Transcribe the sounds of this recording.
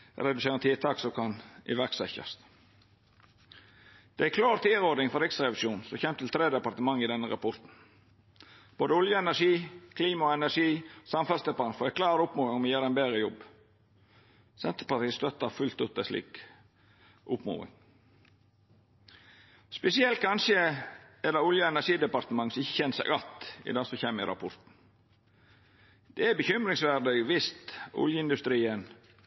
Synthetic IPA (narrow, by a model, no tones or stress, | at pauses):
ɾɛd̪ʉseːɾənt̪ʰɪːt̪ʰɑːksɔkʰɑnɪ̰ʋæɾksɛçɑ̰st̪ | d̪̥ɛækʰlɑːɾt̪ʰiːɾoːd̪ɪŋfɔɾɛksɾɛʋɪʃjuːnsɔçɛmt̪ʰɪlt̪ʰɾeːd̪əd̪pɑɾt̪əmɑŋːɪd̪ɛnːəɾɑpʰɔɾt̪n̩ | b̥oːd̪əʊljəɛnæʂiːkʰliːmɑɔɛnæʂiːsɑmfɛlst̪ɛpɑnfɔːɾækʰlɑːɾʊpmuːʋɪŋɔmjeːɾɛɪnbeːɾəjɔb | sɛnt̪əpɑt̪iːst̪œt̪ːɑfʉlt̪ʉt̪əslḭːk | ʔʊpmṵːʋɪ̰ŋ | spɛsɪɛlt̪̚kʰɑnʃəɛd̪ɑʊljəɛnæʂiːd̪əpɑɾt̪əmɑŋːsɔmɪçːəçɛnsɛ̰ɪɡɑt̪ɪ̰d̪ɑːsɔçeːməɪɾʔɑ̰pʰɔɾt̪n̩ | d̪̥ɛæbəçʏmɾɪŋsʋæɾd̪ɪɡʋɪst̪ʊ̰ljəɪnd̪ʉst̪ɾiːən